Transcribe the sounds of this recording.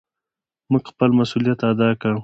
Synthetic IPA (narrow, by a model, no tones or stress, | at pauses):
muɡxpəlmasulijat̪ad̪ɑkəɽ